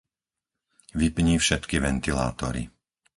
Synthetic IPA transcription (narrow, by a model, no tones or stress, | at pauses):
ʋipɲiːfʃɛt̪kiʋɛnt̪ila̰ːt̪ɔɾḭ